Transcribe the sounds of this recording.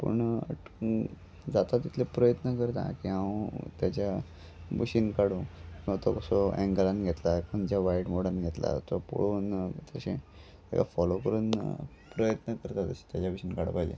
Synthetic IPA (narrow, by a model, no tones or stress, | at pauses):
pə̰ɳ | d͡zat̪at̪ːit̪ʰlepɾəjət̪nəkəɾt̪ã̰kiɦãwt̪jat͡ɕja | buɕinkaɽũkĩwʋat̪ɔkəsɔɛ̃ŋɡəlanɡʱet̪lakənt͡ɕaʋaiʈmoɽənɡʱet̪la̰t̪opo̰ɽuːnt̪əɕẽ | ḛka̰fɔlokəɾuːn | pɾəjət̪nəkəɾt̪at̪əɕi̥t̪jat͡ɕjabuɕinkaɽo̰paid͡ʑḛ